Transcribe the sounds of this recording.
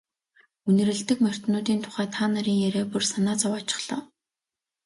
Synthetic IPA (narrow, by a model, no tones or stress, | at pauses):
unɘ̆ɾɘ̆ɮt̪ɘ̆kmœr̥ʲt̪nʊːt̪iːnt̪ʰʊ̥χæːt̪ʰaːnaɾiːŋjæɾeːpursanaːt͡sɔwat͡ɕɪ̥̆χɮɔ̰̆ːw